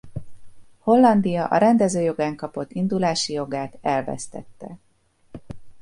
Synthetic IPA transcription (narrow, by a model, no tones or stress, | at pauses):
ho̞lːɒnd̪ijɒʔɒ̰ɾɛnd̪ɛzøːjo̞ɡaːŋkɒpo̞t̪ːind̪ulaːʃijo̞ɡaːt̪ɛlvɛ̰st̪ɛt̪ːɛ̰